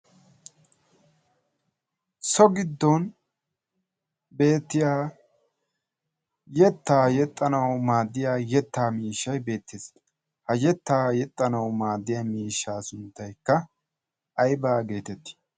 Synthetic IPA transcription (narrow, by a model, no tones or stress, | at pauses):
sɔɡɪd̪ːɔn | be̞ːt̪ːɪjaː | jɛt̪ːaːjɛt̪ʼːɐnɐwmaːd̪ːɪjaːjɛt̪ːaːmiːʃːɐjbe̞ːt̪ːeːs | hɐjɛt̪ːaːjɛt̪ʼːɐnɐwmaːd̪ːɪjaːmiːʃːaːsʊnt̪ːɐjkːɐ | ʔɐjbaːɡe̞ːt̪ɛt̪ːɪ̥